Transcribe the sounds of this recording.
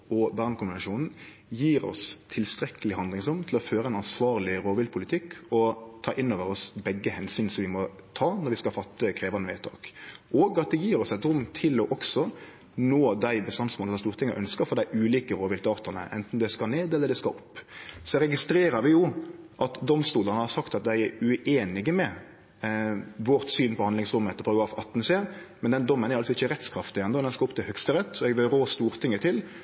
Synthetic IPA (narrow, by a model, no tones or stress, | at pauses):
ɔbœːʁnkʰʊnʋɛnʂuːnn̩ | jiːɾɔ̰st̪ʰɪlst̪ɾɛkəlɪhɑnd̪lɪŋsʊmt̪ʰlɔføːɾəɛnɑnsʋɑːɾlɪɾoːʋɪlt̪̚pʰʊlɪt̪ʰɪkʰːɔt̪ʰɑːʔɪnːoːʋəɾɔsbɛɡːəhɛnsyːnsɔmʋɪmɔ | t̪ʰɑːnɔɾʋɪskɑlfɑt̪ʰːəkʰɾeːʋɑnəʋɛt̪ʰːɑ̰ːkoːɡɑt̪̚d̪ɛjiːɾɔsɛt̪ɾʊmːt̪ʰɪlɔʔɔksɔ | noːd̪æɪbəst̪ɑnsmoːləsɔmst̪uːɾt̪ʰɪŋːəʔœnskəfɔɾd̪æɪʉːliːkəɾoːʋɪlt̪əɑːʁt̪ɑnə̰ʔɛ̰nt̪n̩d̪ɛskɑneːd̪ɛlːəɾd̪ɛskɑ̰ɔpːsɔɾɛɡɪst̪ɾeːɾəɾʋɪjʊʔɑt̪d̪ɔmst̪uːlənəhɑɾsɑkt̪ɑt̪̚d̪æɪɛɾʉeːnɪɡəmɛ | ʋɔɾt̪syːnpɔhɑnd̪lɪŋsɾʊmːəɛt̪əʁpʰɑɾɑɡɾɑːfɑt̪ːn̩seːmɛnd̪ɛnd̪ɔmːənɛɾɑlsɔɪçːəɾɛt̪skʰɾɑft̪ɪjɛnɔd̪ɛnskɑɾʊpt̪ʰɪlhœkst̪əɾɛt̪ːɔɛɡʋɪlɾoːst̪uːɾt̪ʰɪŋːət̪ʰɪl